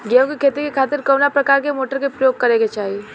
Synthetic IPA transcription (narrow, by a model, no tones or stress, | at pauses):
ɡeõkikʰeːt̪ikekʰaːt̪ɪɾkɐːnapɾɐkaːɾkemoːʈəɾkepɾəjoːɡ̚kɐɾẽɡet͡ʃaːɦie